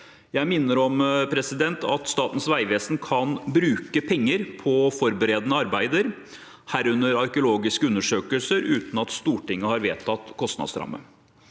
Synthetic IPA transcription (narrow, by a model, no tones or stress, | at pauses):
jæɪmɪnːəɾɔmpʰɾɛsɪd̪ɛnt̪ʰɑ̰t̪st̪ɑːt̪n̩sʋæɪʋeːsnkʰɑnbɾʉːkəpʰɛŋːəɾpʰɔfɔɾbəɾeːd̪ənəɑɾbæɪd̪əɾ | hæːɾʉnːəɾɑɾkəʊloːɡɪskəʉnːəʂøːkəlsəɾʉːt̪n̩ɑt̪st̪uːʈɪŋːəhɑɾʋeːt̪ʰɑt̪kʰɔst̪nɑ̰d̪sɾɑ̰mːə̰